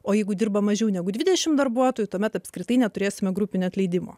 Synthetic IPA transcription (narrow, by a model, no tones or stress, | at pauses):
oːjɛɪɡʊd̪ʲɪrbɐmɐʒʲɛʊnʲɛɡʊd̪ʲʋʲɪd̪ʲɛʃʲɪmd̪ɐrbuɔt̪oːjut̪uɔmʲɛt̪ɐpʲskɾʲɪt̪ɐɪnʲɛt̪ʊɾʲeːsʲɪmʲɛɡɾupʲɪnʲʊɐt̪ʲlʲɛɪd̪ʲɪmo̰ː